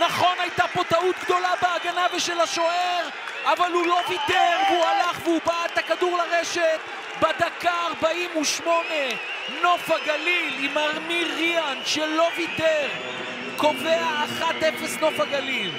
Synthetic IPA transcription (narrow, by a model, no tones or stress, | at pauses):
naχo̞nhajt̪apo̞t̪aut̪ɡd̪o̞labeaɡanaveʃelaʃo̞eʁ | avalulo̞vit̪eʁvualaχveubaet̪akad̪uʁlaʁeʃet̪̚ | bad̪akaːʁbaimuʃmo̞ne | no̞fhaɡalilimaʁmiʁianʃelo̞vit̪eʁ | ko̞veaːχat̪efesno̞faɡalil